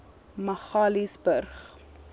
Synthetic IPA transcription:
məχɑːlisbərχ

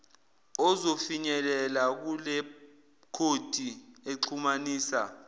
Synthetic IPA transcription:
ɔzofiɲɛlɛlak̬ulɛ | kʰod̥ʱieǀʰumaniːsa̰

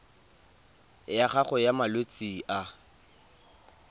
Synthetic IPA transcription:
jaχaχʊɔjamalwet͡sʼiʔa

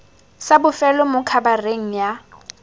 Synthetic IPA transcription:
sabʊfɛlɔmʊkʰabareŋ̩ja

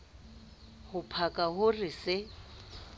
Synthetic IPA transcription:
hʊpʰakʼaɦʊrɪsɪ

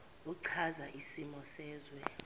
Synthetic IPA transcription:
uǀʰazaʔisimɔsɛːzwɛ

